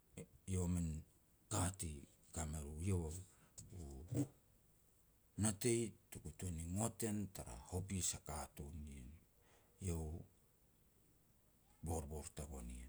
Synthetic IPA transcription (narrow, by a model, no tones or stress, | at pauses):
jowamen | kati | kameɾujewau | natejtukutoniŋo̞te̞ntaɾa̰hopisakatunien | jow | bo̞ɾboɾtaɡo̞nie